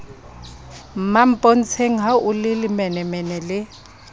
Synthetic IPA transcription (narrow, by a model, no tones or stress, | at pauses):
mam̩pʼɔn̩t͡sʰeŋɦaʊlɪlɪmɛnɛmɛnɛlɪ